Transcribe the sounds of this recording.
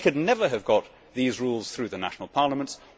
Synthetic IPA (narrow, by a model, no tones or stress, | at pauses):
kʰɨdⁿnɛvə˞ɨvɡɑt̪̚ | ðizɹulˠz̥θɹʉðɨnæ̰ʃn̩l̩ˠpʰɑɹlˠəmə̃nts